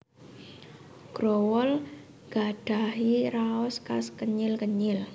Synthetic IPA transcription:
ɡ̥ɾowɔl | ɡ̥aɖ̥a̤ɦiraɔskaskəɲɪlkəɲɪl

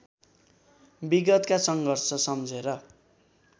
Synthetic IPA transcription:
biɡʌt̪kasʌŋɡʱʌrsʌsʌmd͡zʱeɾʌ

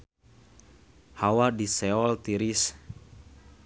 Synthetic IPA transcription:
hawadisɛɔlt̪iɾis

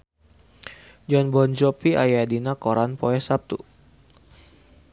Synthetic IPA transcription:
d͡ʒɔnbɔnd͡ʒɔpia̰jadinakɔɾanpɔɛsap̚t̪ṵ

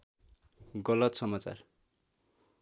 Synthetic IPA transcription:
ɡʌlʌt̪sʌmat͡sa̰r

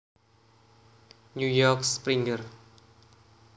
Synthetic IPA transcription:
nujɔkspɾiŋɡər

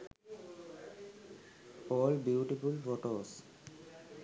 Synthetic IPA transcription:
ɔlbjuuʈifulfɔʈɔs

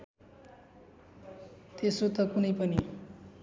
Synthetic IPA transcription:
t̪esot̪ʌkunʌjpʌni

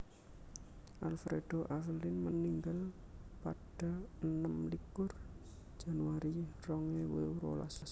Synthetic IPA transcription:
ʔalfɾed̥oʔavəlinməniŋɡal | paɖ̥a̤ənəmlikʊr̥ | d͡ʒ̥a̤nuwaɾirɔŋewewɾo̰la̰ss

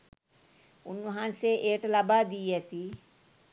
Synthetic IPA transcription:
ʊnɦãnseʔeːʈlɐbad̪iːɐt̪iː

